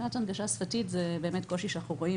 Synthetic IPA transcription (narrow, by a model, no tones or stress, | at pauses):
atanɡaʃasfatitzebe̞ːmetkoʃiʃeanaχuʁo̞i